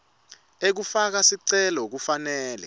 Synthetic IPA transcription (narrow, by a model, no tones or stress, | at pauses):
ek̬ufak̬asiǀɛlɔok̬ufanɛːlɛ̰